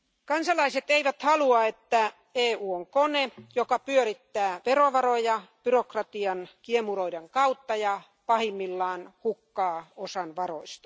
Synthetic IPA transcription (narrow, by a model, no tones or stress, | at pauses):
kɑnsɑlɑiset̪eiʋæt̪hɑluɑet̪ːæ | eːuːoŋkonejokɑpyøɾit̪ːæːʋeroʋɑrojɑb̥yrokrɑt̪iɑnkiemuroideŋkɑut̪ːɑjɑ | pɑhimːilːɑːnhukːɑːosɑnʋɑroist̪ɑ̥